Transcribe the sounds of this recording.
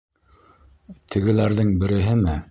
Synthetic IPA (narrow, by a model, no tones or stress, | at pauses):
t̪ʰɘ̆ɡɘ̆læɾðɘŋbɘ̆ɾɘ̆ɦɘmɘ